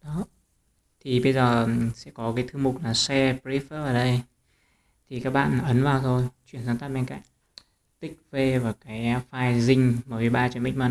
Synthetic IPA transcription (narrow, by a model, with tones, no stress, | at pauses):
ɗɔ˨˦ | t̪ʰi˨˩ɓə˧jzəː˨˩sɛ̰˧˥kɔ˨˦kaː˨˦jt̪ʰɨ˧mʊ˨˩k͡p̚laː˨˩sɛ˧pi˦˥fəː˦˥vaː˨˩ɗə˧j | t̪ʰi˨˩kaː˦˥k̚ɓa̰ː˧˨n˨ʔə˨˦nvaː˨˩wt̪ʰo˧jt͡ɕwḭ˧˨ənzaː˧˩ŋt̪aː˦˥t̚ɓɛ˧nka̰˧˨ŋ | t̪ï˦˥k̚ve˧vaː˨˩kaː˨˦jfaː˧jzï˧ŋ̟məː˨˩vi˨˩ɓaː˧t͡ɕi˧˩˨mɓï˦˥ŋ̟maː˨˩